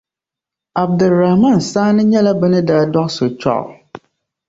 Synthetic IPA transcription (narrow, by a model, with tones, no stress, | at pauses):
a˨b̚dɨ˨lɾa˨hma˦˨n˨saː˦nɨ˦ɲɛ˦la˦bɨ˦nɨ˦daː˦dɔ˦ʔso˨t͡ʃɔ̰˦ʔ